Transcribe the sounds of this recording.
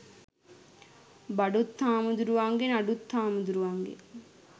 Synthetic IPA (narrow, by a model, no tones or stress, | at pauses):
bɐɖut̪ːaːmud̪uɾuʋaŋɡenɐɖut̪ʰːaːmud̪uɾuʋaŋɡḛ